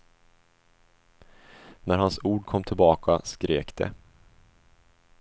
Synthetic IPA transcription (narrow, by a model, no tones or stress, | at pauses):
næɾhansuːɖkʰɔmːt̪ʰɪlbɑːkʰa̰skɾeːkd̪ɛ̰